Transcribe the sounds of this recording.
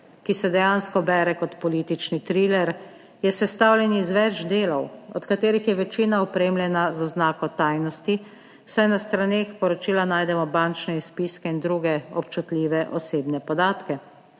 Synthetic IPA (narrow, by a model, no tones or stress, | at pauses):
kisɛd̪ɛjanskɔbɛːɾɛkɔt̪pɔliːt̪it͡ʃnit̪ɾiːlɛɾ | jɛsɛst̪awlʲjɛnizʋɛd͡ʒd̪eːlɔwɔ̰t̪kat̪eːɾixjɛʋɛt͡ʃiːnaɔpɾeːmlʲjɛnazɔznaːkɔt̪ajnɔst̪i | sajnast̪ɾaneːxpɔɾɔt͡ʃiːlanaːjd̪ɛmɔbant͡ʃnɛispiskɛind̪ɾuɡɛɔpt͡ʃut̪lʲiːʋɛʔɔseːbnɛpɔd̪aːt̪kɛ